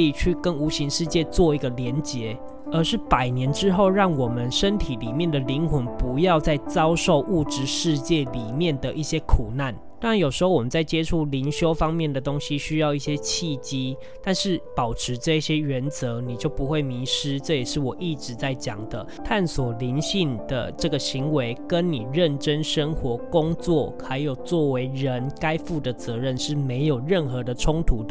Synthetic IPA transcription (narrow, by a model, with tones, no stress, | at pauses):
i˨˩t͡ɕʰy˥˩kə˦˥nu˧˥ɕi˧˥ŋʂɻ̩˥˧t͡ɕjɛ˥˧t͡swɔ˥˩i˧˥ɡə˨ljɛ˧˥nt͡ɕjɛ˧˥ | ə˧˥ʂɻ̩˥˩pa˨˩ɪnjɛ˧˦˥nʈ͡ʂɻ̩˦˥xo˥˨˧ʊɻɑ˥˩ŋwɔ˨˩mə˨˦nʂə˦˥nt̪ʰi˨˦li˨˩mjɛ˥˨nd̪ə˨li˧˦˥ŋxə˧˥npu˧˦jɑ˥˧ʊt͡sa˥˩ɪt͡sɑ˥ʊʂo˥˧ʊʔu˥˧ʈ͡ʂɻ̩˧˥ʂɻ̩˥˧t͡ɕjɛ˥˩li˨˩mjɛ˥˨˩nd̪ə˨ʔi˥˩ɕjɛ˦˥kʰu˨˩na˥˩nt̪a˥ŋɻa˧˦njo˨ʊʂɻ̩˧˥xo˥˩ʊwɔ˨˩mə˨nt͡sa˥˩ɪt͡ɕjɛ˥ʈ͡ʂʰu˥˩li˧˥ŋɕjo˥ʊfɑ˦ŋmjɛ˥˨˩nd̪ə˩t̪o˥ŋɕi˦ɕy˥jɑ˥˧ʊi˥˩ɕjɛ˦t͡ɕʰi˥˧t͡ɕi˥ | t̪a˥˧nʂɻ̩˥˩pɑ˨˩ʊʈ͡ʂʰɻ̩˧˥ʈ͡ʂɤ˥˧i˥˩ɕjɛ˥ɥə˧˦nt͡sɤ˧˦ni˨˩t͡ɕjo˥˩ʊpu˧˦xwe˥˩ɪmi˧˥ʂɻ̩˥ʈ͡ʂɤ˥˩jɛ˨˩ʂɻ̩˥˩wɔ˨˩ʔi˥˩ʈ͡ʂɻ̩˧˦t͡sa˥˩ɪt͡ɕjɑ˨˩ŋd̪ə˦t̪ʰa˥˩nswɔ˨˩li˧˦˥nɕi˥˩ŋd̪̥ə̰˩ʈ͡ʂɤ˥˩ɡə˩ɕi˧˦ŋwe˧˦ɪkə˦nni˨˩ɻə˥˩nʈ͡ʂə˦˥nʂə˦˥ŋxwɔ˧˥kʊ˦ŋt͡swɔ˥˩xa˧˥ɪjo˨˩ʊt͡swɔ˥˩we˧˥ɪɻə˧˦nka˥ɪfu˥˩d̪ə˩t͡sɤ˧˦ɻə˥˧˨nʂɻ̩˥˩me˧˥ɪjo˨˩ʊɻə˥˩nxɤ˧˦d̪ə˨ʈ͡ʂʰʊ˥ŋt̪ʰu˧˥